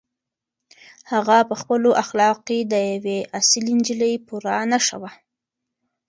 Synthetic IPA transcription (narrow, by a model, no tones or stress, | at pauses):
haɣapəxpəloʔaxlɑqed̪əjaweʔasilind͡ʒiləjpuɾanaʃa̰wa